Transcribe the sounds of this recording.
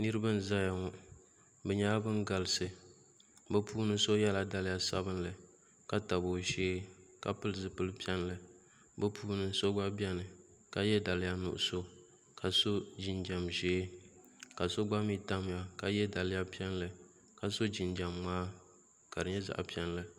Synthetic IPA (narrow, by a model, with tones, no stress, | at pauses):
nɨ˦ɾɨ˦ba˦n̩˦za˦ja˨ŋɔ˨ | bɛ˨ɲaː˦bɨ˦nɡa˨lɨ˦sɨ˨ | bɛ˦puː˦nɨ˦so˦jɛ˦la˨da˨lɪ˦ja˨sa̰˦bɨ˦nlɨ˨ | ka˨ta˨bo˨ʒeː˦ka̰˨pɨ˦lɨ˨zɨ˨pɨ˦lɨ˦pi˦ɛ˦n˦lɨ˨ | bɛ˦pʰuː˦nɨ˦so˦ɡ͡ba˦bɛ˦nɨ˨ | ka˨jɛ˦da˨lɪ˦ja˦nʊ̰˨ʔʊ˨so˦ | ka˨so˦d͡ʒi˨nd͡ʒa˨mʒeː˦ | ka˨so˦ɡ͡ba˦mi˦ta˦m˨ja˨ka˨jɛ˦da˨lɪ˦ja˦pi˦ɛ˦n˦lɨ˨ | ka˨so˦d͡ʒi˨nd͡ʒa˨mmaː˦ | ka˨dɨ˨ɲɛ˦za̰˨ʔa̰˨pi˦ɛ˦n˦lɨ˦